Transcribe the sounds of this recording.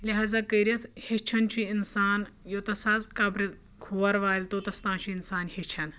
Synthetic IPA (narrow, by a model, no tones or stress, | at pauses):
lʲeɦazakəjɾjɐt̪het͡ʃʰɐnt͡ɕiinsaːnjot̪ɐsaːzkaːbɾɐt̪ | kʰuʋaɾʋaːlʲt̪ot̪ɐst̪ãːt͡ɕuinsaːnhet͡ʃʰɐn